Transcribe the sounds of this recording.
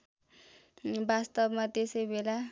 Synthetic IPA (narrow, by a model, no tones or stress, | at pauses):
bast̪ʌbmat̪esʌjbela